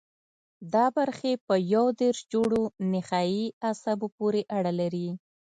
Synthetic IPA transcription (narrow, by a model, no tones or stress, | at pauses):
d̪ɑbaɾxepəjawd̪eɾʃd͡ʒoɽonɪxɑjiasabopoɾeʔaɽalaɾi